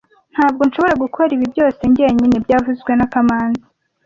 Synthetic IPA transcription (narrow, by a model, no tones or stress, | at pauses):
n̥haːb̚ɡo̞nʃoβo̞ɾaɡukʰo̞ɾiβibɟo̞ːse̞ɲɟe̞ɲinebɟaːvuzɡwe̞nakamaːnza